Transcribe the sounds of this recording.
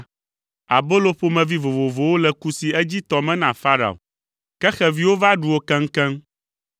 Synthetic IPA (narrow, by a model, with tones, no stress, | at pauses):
a̰˨bo˦lo˦ɸo˦mɛ̃˨vi˦vo˨vo˨vo˨wo˦lɛ˨ku˦si˨ɛ˦d͡ʑi˦t̪ɔ˨mɛ̃˦nã˨fa˦ɾa̰˨o̰˨ | kɛ˦xɛ˨vi˨˦wo˦va˦ɖu˨wo˦kɛ̃˦ŋ̩˦kɛ̃˦m